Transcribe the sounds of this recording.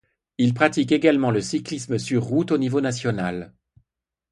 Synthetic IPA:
ilpχat̪ikeɡalmɑ̃ləsiklisməsyʁːut̪onivonasjɔnal

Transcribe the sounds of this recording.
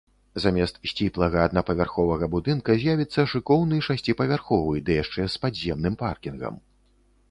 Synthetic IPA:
zamʲɛst̪sʲt͡sʲiplˠɐɣɐːd̪napɐvʲarxɔvɐɣɐbud̪ɨnkɐzʲjavʲit̪sːɐʂɨkɔwnɨʂasʲt͡sʲipɐvʲarxɔvɨjd̪ɨjaʂt͡ʂɛspadʲzʲɛmnɨmparkʲinɣɐ̰m

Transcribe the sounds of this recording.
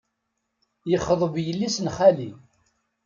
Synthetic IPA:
jəχːəðˤəvjəlːisnχæli

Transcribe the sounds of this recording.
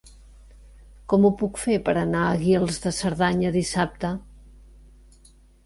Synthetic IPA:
kɔmupukfepəɾənaəɣilˠzðəsəɾðaɲəðisap̚t̪ə

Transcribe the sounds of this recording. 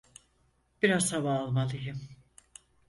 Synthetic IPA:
b̥iɾazhavaːlˠmalˠɯjɯm

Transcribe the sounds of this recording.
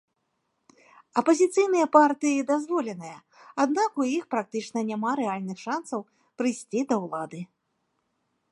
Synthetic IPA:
ɐpɐzʲit̪sɨjnɨjɐpart̪ɨjid̪azvɔlʲɛnɨjɐ | ad̪nakujixpɾak̚t̪ɨt͡ʂnɐnʲamaɾɛalʲnɨxʂansɐw | pɾɨjsʲt͡sʲid̪ɐwlˠad̪ɨ

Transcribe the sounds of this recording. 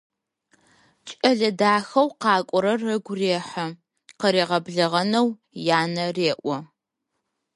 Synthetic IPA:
t͡ʃʼɐɮɐdaːxɐwqɑːkʷʼɔɾɐrːɐɡʷʊreːħɐ | qəɾeːʁɐbɮɐʁɐnɐw | jaːnɐreːʔʷɔ

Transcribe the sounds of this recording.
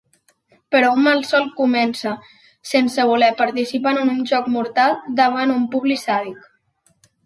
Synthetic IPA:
pəɾɔumalˠsɔlˠkumɛnsə | sensəβ̞ulɛpəɾt̪isipanənunʒɔkmuɾt̪alˠd̪əβanumpuβlisaβik

